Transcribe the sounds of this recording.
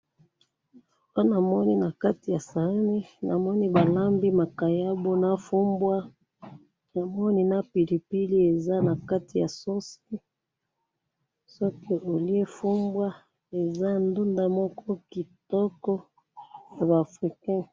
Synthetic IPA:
a˦na˨mɔ˦ni˦na˨ka˦ti˨ja˨sa˨˦ni˦na˨mɔ˦ni˦ba˨la˦mbi˦ma˨ka˨ja˦bo˦na˦fu˦mbwa˦ | na˨mɔ˦ni˦na˦pi˨li˨pi˦li˦e˨za˦na˨ka˦ti˨ja̰˨so˦si˦ | sɔ˦ki˦ʔo˨li˦e˦fu˦mbwa˦ | e˨za˦ndu˦nda˦mɔ˦kɔ˦ki˨tɔ˦kɔ˦ | ja˨ba˨fʁi˨kɛ̃˦

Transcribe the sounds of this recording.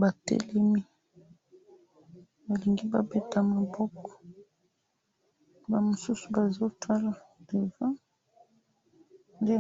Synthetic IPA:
ba˨tḛ˦lɛ˦mi˦ | ba˨li˨ŋɡi˦ba˨be˦ta˨ma˨bɔ˦kɔ̥˨ | ba˨mo˨su˦su̥˨ba˨zo˦tʰa˦la˨ | de˨va˦ | nde˦

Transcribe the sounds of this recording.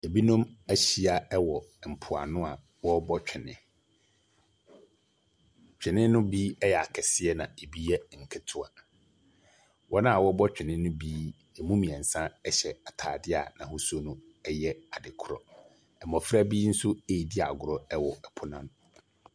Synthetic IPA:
e˨bi˦nʊ̃˦mæ˦ɕi˨a˨ɛ˦wɔ˨m̩˨pʰʊ˨a̰˨nʊ̃˦a˨ | wɔ˦bɔ˦t͡ɕᶣɪ˨nɪ̰̃˨ | t͡ɕᶣɪ˨nɪ̃˦nʊ̃˦biː˦ɛ˦jɛ˨a˨kʰɛ˨sɪ˦ɛ˦nã̰˨e˨bi˦ɛ˦˨ŋ̩˨kʰɪ˦tʰʊ˦a˨ | wʔɔ˦nã˦a˨wɔ˦bɔ˦t͡ɕᶣɪ˨nɪ̃˦nʊ̃˦biː˦ | e˨mũ˦mĩ˨ɛ˨n̩˨sã˦ɛ˦ɕɛ˨a˨tʰaː˨dɪ˦a̰˨nã˨hʊ˦su˦o˦nʊ̃˦ | ɛ˦jɛ˦a˨dɪ˨kʰʊ˦ɾɔ̰˨ | ɛ˨mɔ̃˨fɾa˦biː˦n̩˦sʊ˦e˨di˦a˨ɡʊ˨ɾɔ˦ɛ˦wɔ˨ɛ˨pʰʊ˨˦nã̰˦˨n

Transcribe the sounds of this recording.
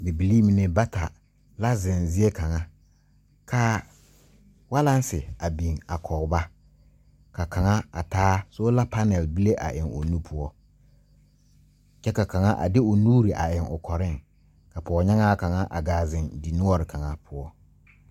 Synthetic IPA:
bi˨bi˨li˦mi˨ne˨ba˦ta˨ | la˦zɪ˨nzɪ˦e˦ka˨ŋa˦ | kʰa˦ | wa˦la˦n˦sɪ˨a˨bi˨ŋa˨kʰɔ˨ba˦ | ka˨ka˨ŋa˦a̰˨taː˦so˦la˦pa˦nɛ˨lbi˦le˦ʔa̰˨ʔɪ˨ŋo̰˨nu˦pʰʊ˦ɔ˦ | t͡ʃɛ˦ka˨ka˨ŋa˦ʔa̰˨dɪ˦ʊ˨nuː˦ɾi˨ʔa̰˨ʔɪ˨ŋʊ˨kʰɔ˨ɾɪ˦˨ŋ | ka˨pɔ˨ɔ˨ɲa˦ŋaː˦ka˨ŋa˦ʔa̰˨ɡaː˨zɪ˨ndi˨nʊ˦ɔ˦ɾɪ˨kʰa˨ŋa˦pʰʊ˦ɔ˦

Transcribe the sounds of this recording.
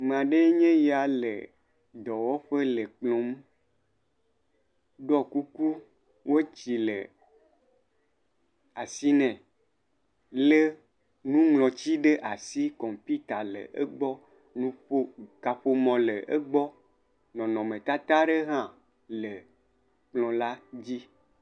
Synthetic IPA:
me˨ã˨ɖe˦ɲẽ˦ja˨lḛ˨ | d̪ɔ˨wɔ˦ɸe˦le˨k͡plɔ̃˨m˦ | ɖɔ˦ku˦ku˦ | wo˦t͡ɕi˨le˨ | a˨si˦nɛ̃˨ | le˦ | nũ˦ŋlɔ̃˨t͡ɕi˦ɖe˦ʔa˨si˦kɔ̃˨mpi˦t̪a˨lḛ˨ʔe˦ɡ͡bɔ˦ | nũ˦ɸo˦ka˨ɸo˨mɔ̃˨lə˨ʔe˦ɡ͡bɔ˦ | nɔ̃˨nɔ̃˨mẽ˨t̪a˦t̪a˦ɖe˦ɦã˦˨ | le˨ | k͡plɔ̃˨la˦d͡ʑi˦

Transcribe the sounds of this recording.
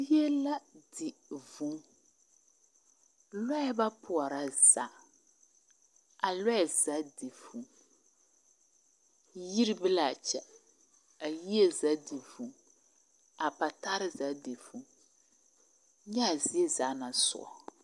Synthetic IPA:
je˦la˦dɪ˨vu˨˦ | lɔ˦ɛ˦ba˦pʰʊ˨ɔ˨ɾa˨z̥a̰˨˦ | a˨lɔ˦ɛ˨za˦di˨v̥u˨˦ | ji˦ɾi˦bɪ˦la˨t͡ʃɛ˦ | a˨ji˦e˦za˨˦di˨vu˨ | a˨pa˨ta˦ɾɪ˦za˨˦dɪ˨vu˦ | ɲɛ˦a˨zɪ˦e˦za˦nã˨˦sʊ̰˦˨ɔ̰˨

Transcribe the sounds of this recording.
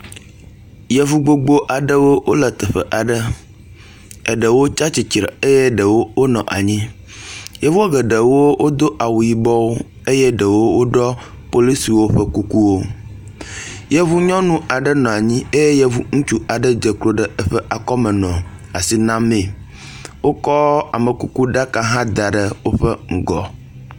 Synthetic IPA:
jɛ˦˨vu˦ɡ͡bo˦ɡ͡bo˦ʔa˨ɖə˦wo˦wʔo˦lə˨t̪ə˨ɸə̰˨ʔa˨ɖə˦ | ə˨ɖə˨wo˦t͡ʃa˦t͡ɕi˨t͡ʃɾə˨e˦jɛ˦ɖə˨wo˦wo˦nɔ̃˨ʔa˨ɲĩ˦ | jɛ˦vu˦a˦ɡə˨ɖə˨wo˦wʔo˦d̪o˦ʔa˨wu˨ji˨bɔ˦wo˦ | e˦jɛ˦ɖə˨wo˦wo˦ɖɔ˦ | po˦li˦si˨wo˦ɸə˦ku˦ku˦wo˦ | je˦βu˦ɲɔ̃˦nũ˦a˨ɖə˦nɔ̃˨a˨ɲĩ˦e˦je˦jɛ˦vu˦ŋũ˦t͡ʃu˦a˨ɖə˦d͡ʒe˨klo˦ɖə˨ə˦ɸɛ˦ʔa˨kɔ˦mɛ˨nɔ̃˨ | a˨si˨nã˦mẽ˨ | wo˦kɔ˦a˨mə˨ku˨ku˦ɖa˦ka˦ɦã˦d̪a˨ɖə˦wo˦ɸə˦ŋ̩˨ɡɔ˨

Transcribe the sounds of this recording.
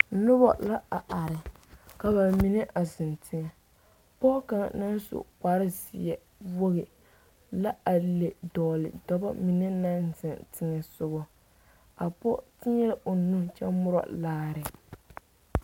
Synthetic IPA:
nʊ˦bɔ̰˦˨la˦a˨ʔa˨ɾɪ˨ | ka˨ba˨mi˨˦nɛ˦ʔa˨zɪ˨ntʰɪ˨ŋɛ˨ | pɔ˦ka˨ŋ˨na˦n˦sʊ̰˨ka˨˦ɾɪ˦sɪ˨jɛ˦ | wo˦ɣɪ˨ | la˦a˨le˨dɔː˨lɪ̰˨dɔ˨ba̰˦mi˨nɛ˦nã˦nzɪ˨ntɪ˨ŋɛ˨sʊ˨ɣɔ˦ | a˨pɔ˦ti˦ɲɛ˦la˦ʔo˨nu˦t͡ʃɛ˦mʊ˦ɾɔ̰˨laː˦ɾɪ˨

